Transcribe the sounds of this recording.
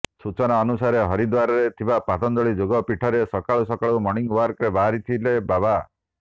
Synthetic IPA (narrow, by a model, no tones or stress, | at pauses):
sut͡ʃɔnaɔnusaɾeɦɔɾid̪waɾɔɾet̪ʰibapat̪ɔnd̪ɔɭid͡ʒoɡɔpiʈʰɔɾesɔkaɭusɔkaɭumɔɽ̃iŋwaɾkɾebaɾit̪ʰilebaba